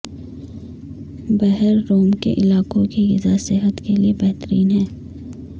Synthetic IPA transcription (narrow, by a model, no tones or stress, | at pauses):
bɛɦəɾːoːmkḛʔɪlaːkõkijɪzasɪɦət̪keliebɛɦt̪əɾiːnɦɛ̃ː